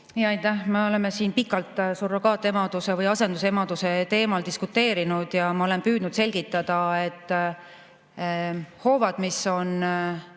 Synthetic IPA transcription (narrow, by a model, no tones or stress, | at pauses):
ijɑjt̪ːˑæhmeo̞le̞me̞siːnpikːˑɑlt̪surːokɑːt̪ːˑemɑd̪̥use̞vɯjɑse̞nd̪use̞mɑd̪̥use̞t̪e̞ːmɑld̪̥iskut̪ːˑe̞ːɾinud̪̥jɑmɑole̞npyːd̪̥nud̪̥se̞lʲɡ̥it̪ːˑɑd̪̥ɑe̞t̪ˑː | ho̞ːvɑd̪̥miso̞n